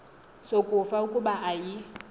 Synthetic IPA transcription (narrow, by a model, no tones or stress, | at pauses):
sokʼʊfaʊkʼʊbaʔai